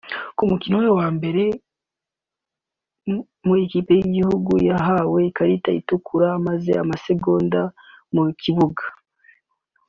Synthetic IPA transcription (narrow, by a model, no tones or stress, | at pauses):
kumukinowjowaːmbe̞ɾe̞ | muekiːpe̞jiɟihuɡujaɦawe̞kaɾitaḭtukuɾamaze̞̰amase̞ɡo̞ːndamukʰiβuɡḁ